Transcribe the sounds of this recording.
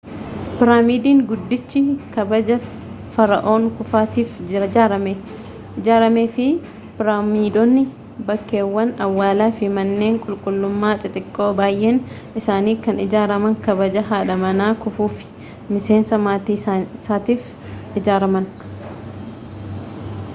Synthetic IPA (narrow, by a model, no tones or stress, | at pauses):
pɪɾaːmiːd̪iːŋɡʊd̪ːɪt͡ʃːɪkɐbɐd͡ʒɐ | fɐɾɐʔo̞ːŋkʊfaːt̪iːfɪɾɐaːɾɐme | ɪd͡ʒaːɾɐmeːfɪ | pɪɾaːmiːd̪ɔnːɪ | bɐkːe̞ːwːɐnɐwːaːlaːfɪmɐnːe̞ːŋkʼʊlkʼʊlːʊmːaːt̪ʼɪt̪ʼɪkʼːoːbaːjʔeːn | ʔɪsaːniːkɐnɪd͡ʒaːɾɐmɐŋkɐbɐd͡ʒɐɦaːᶑɐmɐnaːkʊfuːfɪ̥ | mɪse̞ːnsɐmaːt̪iːsaːt̪iːf | ɪd͡ʒaːɾɐmɐn